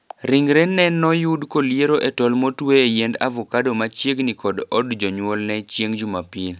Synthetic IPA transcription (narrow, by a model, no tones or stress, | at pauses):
ɾiŋɾenːɛnɔjudkolijeɾoʔɛtɔlmotweejenda̰vɔkadomat͡ʃjeɡnikɔdɔdd͡ʒɔɲwɔlnɛt͡ʃjeŋd͡ʒumapil